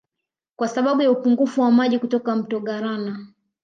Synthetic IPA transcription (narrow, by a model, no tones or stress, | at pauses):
kwasaɓaɓujaupuŋɡufuwamaʄikutɔkam̩tɔɡaɾana